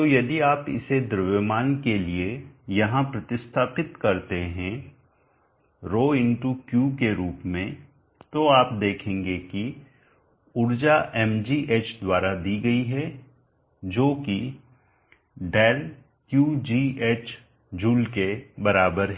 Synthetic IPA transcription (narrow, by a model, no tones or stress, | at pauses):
t̪oːjɐd̪iaːpɪ̰sed̪ɾʋjəmaːnkeliejɐɦãpɾɐt̪ɪst̪ʰaːpɪt̪kɐɾt̪eɦɛ̃ | ɾoːɪ̃ɳʈukjuːkeɾuːpmẽ | t̪oaːp̚d̪eːkʰẽːŋɡeki | ʊɾd͡ʒaʔɛmd͡ʒiʔeːt͡ʃd̪waːɾad̪iːɡɐiɦɛ | d͡ʒoːki | ɖɛːl | kjuːd͡ʒiːeːt͡ʃ | d͡ʒuːlkebɐɾaːbəɾɦɛː